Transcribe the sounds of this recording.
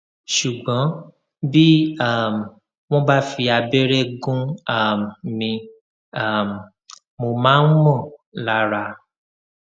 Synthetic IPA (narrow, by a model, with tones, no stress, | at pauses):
ʃu˨ɡ͡bɔ̃˨˦ | bi˦a˦˨m˨ | w̃ɔ̃˦ba˦fi˧a˧be˦ɾe˦ɡũ˦a˦˨mmĩ˧ | a˦˨m˨ | mo˧mãː˦n̩˦mɔ̃˦˨la˧˦ɾa˧